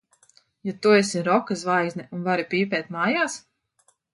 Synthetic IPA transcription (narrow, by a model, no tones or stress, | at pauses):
jat̪uesiɾɔkazvajznɛʔunvaɾipiːpɛːt̪maːjaːs